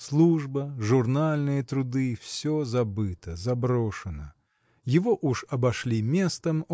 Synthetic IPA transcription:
slˠuʐbəʐʊrnalʲnɨjət̪ɾʊd̪ɨfsʲozɐbɨt̪əzɐbɾoʂɨnə | jɪvoʔuʂɐbɐʂlʲimʲest̪əm

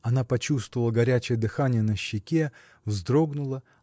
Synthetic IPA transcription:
ɐnapɐt͡ɕust̪vəvəlˠəɡɐɾʲæt͡ɕɪjəd̪ɨxanʲɪjənəɕːɪkʲe | vzd̪ɾo̞ɡnʊlˠə

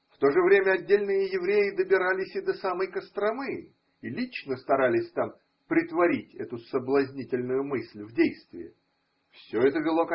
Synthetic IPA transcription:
ft̪o̞ʐɨvɾʲemʲəɐdʲːelʲnɨjəjɪvɾʲejɪd̪əbʲɪɾalʲɪsʲɪd̪əsaməjkəst̪ɾɐmɨ | ilʲit͡ɕnəst̪ɐɾalʲɪsʲt̪am | pɾʲɪt̪vɐɾʲitʲɛt̪ʊsəblˠɐzʲnʲitʲɪlʲnʊjʊmɨsʲlʲvdʲejst̪vʲɪ̰ɪ | fsʲɵɛt̪əvʲɪlˠo̞k

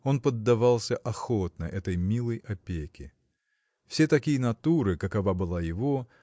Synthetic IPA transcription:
o̞npəd̪ːɐvalˠsʲəʔɐxot̪̚nə̰ʔɛt̪əjmʲilˠəjɐpʲekʲɪ | fsʲe̞t̪ɐkʲijənɐt̪uɾɨkɐkɐvabɨlˠajɪvo̞

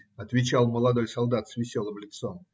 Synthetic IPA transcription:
ɐt̪vʲɪt͡ɕalˠməlˠɐd̪o̞jsɐlˠd̪at̪svʲɪsʲolˠəmlʲɪt̪som

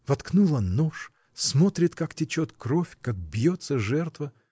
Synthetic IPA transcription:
vɐt̪knulˠɐnoʂ | smo̞t̪ɾʲɪt̪kaktʲɪt͡ɕot̪kɾofʲkak̚bjot̪səʐɛrt̪və

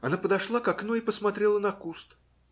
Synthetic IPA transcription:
ɐnapəd̪ɐʂlˠakɐknuɪpəsmɐt̪ɾʲelˠənɐkust̪

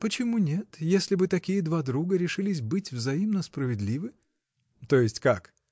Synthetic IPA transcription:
pət͡ɕɪmunʲet̪jesʲlʲɪbɨt̪ɐkʲijəd̪vad̪ɾuɡəɾʲɪʂɨlʲɪs̬ʲbɨtʲvzɐimnəspɾəvʲɪd̪lʲivɨ | t̪o̞jɪsʲtʲkak

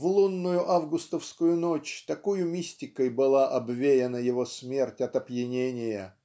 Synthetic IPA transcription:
vlˠunːʊjʊʔavɡʊst̪əfskʊjʊno̞t͡ɕt̪ɐkujʊmʲisʲtʲɪkəjbɨlˠaʔɐbvʲejɪnəjɪvo̞smʲe̞rtʲɐt̪ɐpjɪnʲenʲɪjə

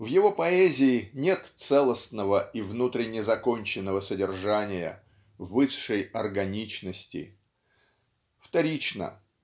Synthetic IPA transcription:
vjɪvo̞pɐezʲɪːnʲe̞t̪t̪sɛlˠəsnəvəivnut̪ɾʲɪnʲɪzɐko̞nʲt͡ɕɪnːəvəsədʲɪrʐanʲɪjə̰ | vɨʂːəjɐrɡɐnʲit͡ɕnəsʲtʲɪ̰ | ft̪ɐɾʲit͡ɕnə̰

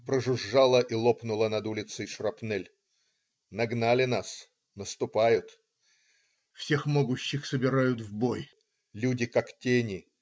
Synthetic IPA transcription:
pɾəʐʊʐːalˠəʔilˠopnʊlˠənɐd̪ulʲɪt̪səjʂrɐpnɛlʲ | nɐɡnalʲɪnas | nəst̪ʊpajʊt̪ | fsʲe̞xmoɡʊɕːɪxsəbʲɪɾajʊt̪vboj | lʲudʲɪkaktʲenʲɪ

